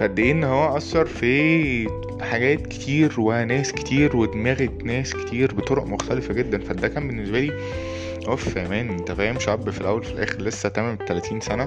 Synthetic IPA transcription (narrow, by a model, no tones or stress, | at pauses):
fæd̪ːeːʔenːhowːæʔɑshɑɾˤfi | ħaɡæːt̪ke̥t̪ʰiːɾwæhænæːske̥t̪iːɾwed̪mæɣet̪næːske̥t̪ʰiːɾbet̪ˤoɾoʔmoxt̪ælefæɡed̪ːænfæd̪ːækæːmbenːesbæliː | ʔofkæmæːnt̪æfæjhemʃæbːfilʔæ̰wːælfilʔæ̰ːxeɾlesːæt̪æmæmt̪ælæt̪iːnsænæ